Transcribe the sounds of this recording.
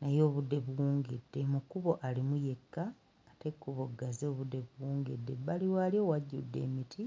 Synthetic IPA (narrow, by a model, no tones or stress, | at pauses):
najo̞ːβudːe̞βuwuːŋɡedːe̞mukuβo̞ʔalimuje̞kːaː | te̞kːuβoɡːazo̞ːβudːe̞βuwuːŋɡedːe̞baliwaːljo̞waɟːṵdːe̞̰ːmitʰi